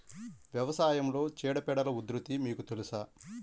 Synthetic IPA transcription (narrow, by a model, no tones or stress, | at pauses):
ʋjɐʋɐsaːjɐmlo̞ːt͡ʃɛːɽɐpɛɽɐlɐud̪ɾut̪imiːkut̪elusaː